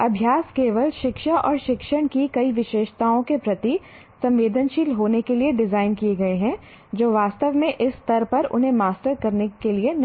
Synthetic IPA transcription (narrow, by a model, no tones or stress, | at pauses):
ɐbʱjaːskeːʋəlʃɪkʃaʔɔːɾʃɪkʃəɽ̃kikɐiʋɪʃeːʃt̪aːõkepɾɐt̪i | sɐ̃mʋeːd̪ʱənʃiːlɦoːnekelieɖɪzaːɪnkijeɡɐeɦɛ̃ | d͡ʒoːʋaːst̪əʋmẽʔɪst̪ɐɾpɐɾʊ̰nɦẽmaːsʈəɾkɐɾnekelien